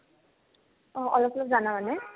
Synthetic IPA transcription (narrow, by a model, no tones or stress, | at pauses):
ɔ̃ʔɔlɔpɔlɔpzanamanɛ